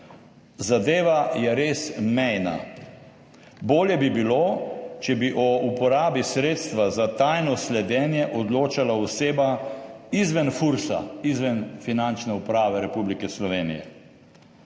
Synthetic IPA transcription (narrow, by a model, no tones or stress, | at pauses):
zad̪eːʋajɛɾeːsmɛjna̰ | boːljɛbibilot͡ʃɛbiʔɔupɔɾaːbisɾeːt̪st̪ʋazat̪ajnɔslɛd̪ɛːnjɛʔɔd̪loːt͡ʃalaɔseːbaizʋɛnfuɾsa̰izʋɛnfinant͡ʃnɛupɾaːʋɛɾɛpublikɛslɔʋeːnijɛ̰